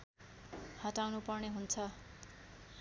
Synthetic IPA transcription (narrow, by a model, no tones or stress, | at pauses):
hʌʈawnupʌrneɦunt͡sʰʌ